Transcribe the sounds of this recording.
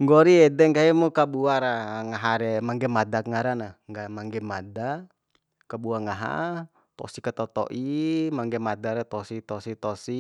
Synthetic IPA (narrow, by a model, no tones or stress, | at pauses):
ŋɡɔɾiɛdɛŋɡaɛmukabuaɾaŋaɦaɾɛmaŋɡɛmadakŋaɾanaŋɡamaŋɡɛmada | kabuaŋaɦa̰ | t̪ɔ̰sikat̪ɔt̪ɔ̰ʔimaŋɡɛmadaɾɛt̪ɔsit̪ɔsit̪ɔsi